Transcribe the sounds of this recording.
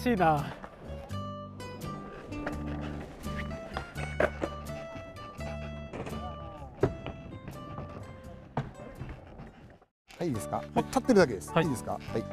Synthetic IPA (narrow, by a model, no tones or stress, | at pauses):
ɕiːna | haiːd̪e̞sɨ̥kaok̪ʰːat̪ːeɾɯd̪ak̬e̞d̪esɨ̥aiːd̪e̞sɨ̥ka̰hai